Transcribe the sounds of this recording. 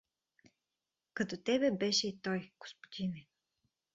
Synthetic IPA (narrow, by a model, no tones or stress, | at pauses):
kɐt̪ot̪ɛbɛbɛʃɛit̪ɔjɡ̥o̥spo̥d̪ʲinɛ